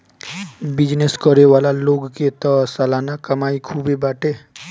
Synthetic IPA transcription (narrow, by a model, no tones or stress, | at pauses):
bɪd͡ʒneskəɾeʋaːlaloːɡket̪ɔsalaːnakɐmaːikʰuːbebaːʈeː